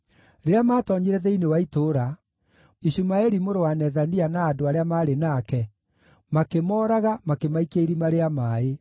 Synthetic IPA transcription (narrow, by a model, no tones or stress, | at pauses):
ɾeamaːtɔɲiɾɛðɛinewaitoɾa | iɕumaɛɾimoɾowanɛðanianaːdoaɾeamaːɾenaːkɛ | makemɔːɾaɣamakemaikeiɾimaɾeamaːe